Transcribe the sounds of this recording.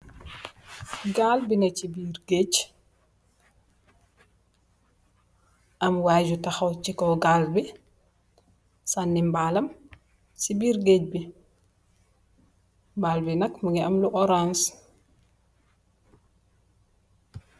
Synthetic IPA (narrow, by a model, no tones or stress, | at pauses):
ɡalbinɐt͡ʃibiɾɡeːc | ʔɐmwaːd͡ʒutaxɐwt͡ʃikɔɡaːlbi | sanːimbaːlɐm | sibiːɾɡeːc̚bi | mbaːlbinɐkmaŋɡiɐmluʔɔɾans